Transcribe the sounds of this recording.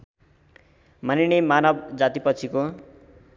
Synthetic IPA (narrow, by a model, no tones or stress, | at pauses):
maniɽ̃emanʌbd͡zat̪ipʌt͡sʰiko